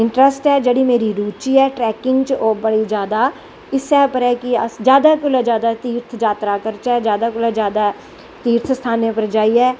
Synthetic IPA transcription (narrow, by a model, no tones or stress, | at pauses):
ɪ̃ɳʈɾəsʈɦɛːd͡ʒəɽimeːɾiɾuːt͡ʃiɦɛːʈɾɛːkɪ̃ŋɡt͡ʃoːbəɽid͡ʒjaːd̪a | ɪsɛːpəɾɦɛːkiəsd͡ʒjaːd̪akʊlad͡ʒjaːd̪at̪iːɾt̪ʰd͡ʒaːt̪ɾakəɾt͡ʃɛːd͡ʒjaːd̪akʊlad͡ʒjaːd̪a | t̪iːɾt̪ʰst̪ʰaːnepəɾd͡ʒaːiɦɛː